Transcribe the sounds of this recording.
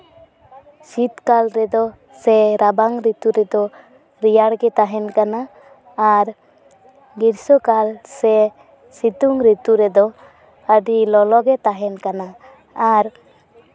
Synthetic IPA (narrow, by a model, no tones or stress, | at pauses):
sit̪kalɾɛd̪ɔ | sɛɾabaŋɾit̪uɾɛd̪ɔ | ɾijaɽɡɛt̪aɦɛnkanaː | ɾ | ɡiɾsɔkalsɛ | sit̪uŋɾit̪uɾɛd̪ɔ | aɖilɔlɔɡɛt̪aɦɛnkanaː | ɾ